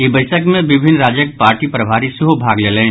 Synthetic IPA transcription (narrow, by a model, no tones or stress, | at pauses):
ebəɪʃəkmẽbɪbʱɪnːɾaːd͡ʒjək̚paːɾʈipɾɐbʱaːɾisɪɦobʱaːɡleːlẽː